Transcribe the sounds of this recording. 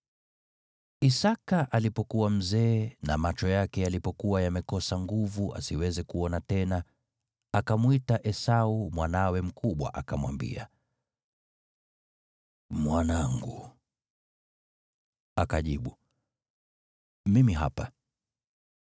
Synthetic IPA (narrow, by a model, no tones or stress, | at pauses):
isakaʔalipɔkuwam̩zɛːnamat͡ʃɔjakɛjalipɔkuwajamɛkɔsaŋɡuvuʔa̰siwɛzɛkuɔnatɛna | akamwitaʔɛsaumwanawɛm̩kʰuɓwa̰ʔakamwa̰mbḭa̰ | mwanaŋɡu | akaʄiɓu | mimiɦa̰pa